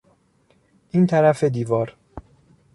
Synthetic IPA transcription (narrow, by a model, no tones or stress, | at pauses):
ʔiːnt̪ʰæɾæfe̞d̪iːvɒːɾ